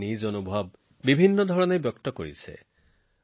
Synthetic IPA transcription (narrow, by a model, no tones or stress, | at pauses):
nizonubʱɔb̚ː | ibʱinːɔdʱɔɹɔnebjɔktɔko̰ɹḭsɛ̰